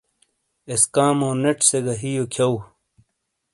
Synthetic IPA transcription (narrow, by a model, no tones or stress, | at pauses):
eskaːmoːneʈseɡɐɦijokʰɐw